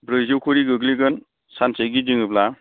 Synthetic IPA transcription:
bɾɯzowkʰuɾiɡɯɡliɡɯn | sansejɡid͡ʒɯŋɯpla

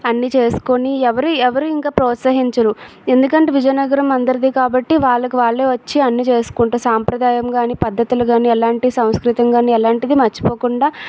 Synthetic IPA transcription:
ɐnːit͡ʃe̞ːsu̥koniɛʋɐɾuɛʋɐɾuiŋkaːpɾɔːt̪sɐɦiɲt͡ʃɐɾue̞nd̪ukɐɳʈeːʋid͡ʒɐjnɐɡɐɾɐmɐnd̪ɐɾɐd̪iːkaːbɐʈːiʋaːɭːɐkuʋaːɭːe̞ːʋɐt͡ʃːiɐnːit͡ʃe̞ːsu̥kuɳʈuːsaːmpɾɐd̪aːjɐmɡaːniːpɐd̪ʱːɐt̪ulɐɡaːniɛlaːɳʈisɐ̃w̃skɾit̪ɐmɡaːniɛlaːɳʈid̪imɐt͡ʃːi̥po̞ːkuɳɖaː

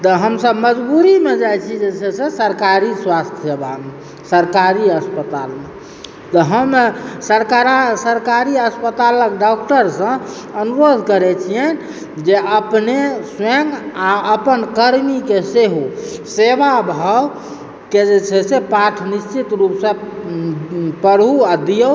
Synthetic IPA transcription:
t̪əɦəmsəbməd͡ʒbuɾimed͡ʒajt͡ʃʰid͡ʒet͡ʃʰɛsesəɾkaɾiswast̪ʰsebʱame | səɾkaɾiəspət̪alme | t̪əɦəmsəɾkaɾsəɾkaɾiəspət̪aləkɖɔk̚ʈəɾsə̃ | ənuɾod̪ʱkəɾɛt͡ʃʰien | d͡ʒeʔəpneseŋɡaəpənkəɾmikeseɦusebabʱəw | ked͡ʒet͡ʃʰɛsepaʈʰnist͡ʃit̪ɾupsə̃ | pəɾʱuad̪ijə

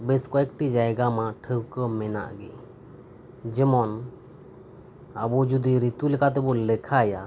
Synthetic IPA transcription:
bɛskɔɛk̚ʈid͡ʒajɡamaʈʰəwkəmɛna̰ʔɡɛ | d͡ʒɛmɔn | abɔd͡ʒud̪iɾit̪ulɛkʰat̪̬ɛbɔlɛkʰaja

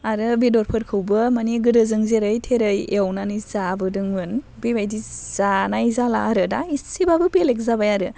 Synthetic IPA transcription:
aɾɯbedɔɾpʰɯɾkʰɯwbɯmaniɡɯdɯzɯŋzeɾɯjtʰeɾɯjewnanizabɯdɯŋɯn | bebajdiz̥anajzala̰ːɾɯdaisibabɯbelek̚zabajaɾɯ

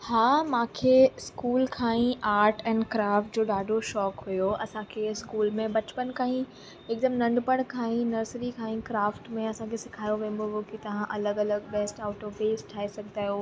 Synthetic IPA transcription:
haːmãːkʰeskuːlkʰãːĩʔaːɾʈɛ̃ːɳɖkɾaːfʈ̚d͡ʑoːɗaːɖʱoʃɔːkɦujoɐsãkʰeskuːlmẽbɐt͡ɕpənkʰaːĩ | ɪːk̚d̪əmnɐ̃ɳɖpəɽ̃kʰãːĩnɐɾsɾikʰãːĩkɾaːfʈmẽɐsãkʰesɪkʰaːjoʋẽːn̆d̪oɦokit̪ɐʋ̤ãʔɐləɡɐləɡbɛːsʈaːʊʈobeːsʈʰːaːesɐɡʱt̪aːjoː

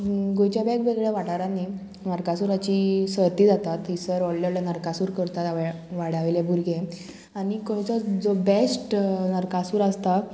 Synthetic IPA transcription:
ɡojt͡ɕjabɛkʋeɡɭɛʋaʈaɾãnːi | nəɾkasuːɾat͡ɕisəɾt̪id͡zat̪at̪ɦisəɾɔɭlɔlanəɾkasuːɾkəɾt̪at̪aʋɛʋaɽaʋilebʱuɾɡʱe | aɽ̃ikɔɽt͡sɔd͡zɔbesʈnəɾkasuːɾast̪a

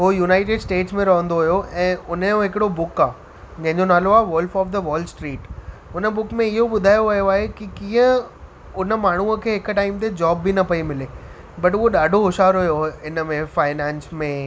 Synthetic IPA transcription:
ɦoːjuːnaːɪʈeɖsʈeːʈsmẽɾɐɦə̃nd̪oɦjoʔɛ̃ːʊnəjõɦɪkɪɽobʊkaː | d͡ʑɐ̃ɦɪ̃ɲd͡ʑonaːloaːʋʊlfɔːfd̪əʋɔːlsʈɾiːʈʊnə̆bʊkmẽɪɦoɓʊd̪ʱaːjoʋɐɦijoaːɦekikĩːə̃ | ʊnə̆maːɳ̤̃uəkʰeːɦɪkʈaːɪmt̪ed͡ʑɔːbːinɐpɐimɪle | bɐʈʊɦoɗaːɖʱoɦʊʃaːɾɦʊjoɪnəmẽfaːɪnɛ̃ːnsmẽ

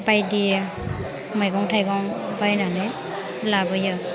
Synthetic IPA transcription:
bajdi | majɡɔŋtʰajɡɔŋbajnane | labɔjɯ

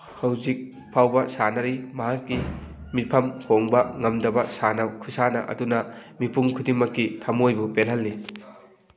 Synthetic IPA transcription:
hɐwzik̚ | pʰawbɐsanɐɾimɐɦakːimipʰɐmkʰoŋbɐŋɐmdɐbɐsanɐkʰusanɐ̰ʔɐ̰dunɐmipuŋkʰudiŋmɐkːitʰɐmojbupenɦɐlːi

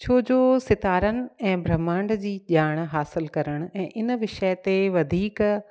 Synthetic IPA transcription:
t͡ɕʰoːd͡ʑoːsɪt̪aːɾənɪ̆ɛ̃ːbʱɾɐmãːɳɖd͡ʑiːʄaːɽ̃ɦaːsɪlkɐɾəɽ̃ɛ̃ːʔɪnʋɪʃət̪eʋɐd̪ʱiːk

